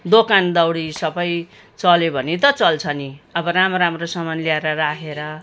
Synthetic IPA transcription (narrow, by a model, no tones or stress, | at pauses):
d̪okand̪ʌwɽisʌbʌj | t͡sʌlebʱʌnit̪ʌt͡sʌlt͡sʰʌniʌbʌɾamɾamrosʌmʌnliaeɾʌrakʰeɾʌ